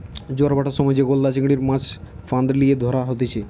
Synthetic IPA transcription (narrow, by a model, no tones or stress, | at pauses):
d͡ʑoɾbaʈaʃɔmɔd͡ʑeɡolːat͡ɕiɡɽiɾmãt͡ɕʰ | fand̪ɾlijed̪ʱɔɾaɦot̪et͡ɕʰe